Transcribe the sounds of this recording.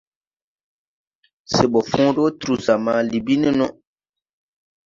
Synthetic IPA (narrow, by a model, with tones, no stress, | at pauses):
se˨ɓɔ˨fũː˦ɖo˦tu˨ɾu˨za˨ma˦li˨bi˦ni˦nɔ̃˦